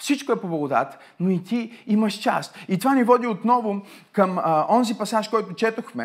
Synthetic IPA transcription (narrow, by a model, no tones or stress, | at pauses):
fsit͡ʃkʊɛpoblˠɐɡʊd̪a̰t̪ə̥ | noit̪iiməʃt͡ʃa̰st̪it̪ovanivɔd̪iot̪nɔvʊ | kəmɔnzipɐsaʃkɔjt̪ʊt͡ʃɛt̪oxmɛ